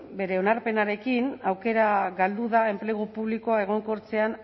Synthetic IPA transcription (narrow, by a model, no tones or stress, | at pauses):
be̞ɾe̞o̞naɾpe̞naɾe̞kinawke̞ɾaɣald̪uðae̞mple̞ɣ̞upuβliko̞ae̞ɣ̞o̞ŋko̞ɾt͡se̞an